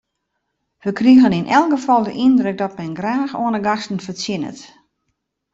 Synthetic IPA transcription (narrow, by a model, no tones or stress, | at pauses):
ʋəkriəɣəninʔɛ̰lˠɡəfɔlˠdəʔindrək̚dɔtmɛnɡraːxoənəɡastən̩fəsjɪnə̰t